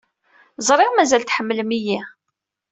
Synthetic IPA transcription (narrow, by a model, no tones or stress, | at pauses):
zˤɾˤeʁmæzælt̪ħəmːləmiji